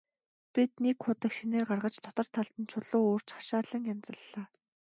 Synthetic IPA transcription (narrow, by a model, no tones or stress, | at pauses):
pʲit̪̚nekχʊt̪ə̆kʃineːrɢarʁə̆t͡ɕt̪ʰɔt̪ɞ̆r̥t̪ʰaɮt̪ə̆nt͡ɕʰʊɮoːoːr̥t͡ɕχḁʃaːɮə̆ŋant͡sə̆ɮːaː